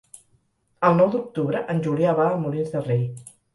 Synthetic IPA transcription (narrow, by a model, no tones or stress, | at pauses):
əlˠnɔwd̪uk̚t̪uβɾəʔənʲʒuliaβaəmulinzðərej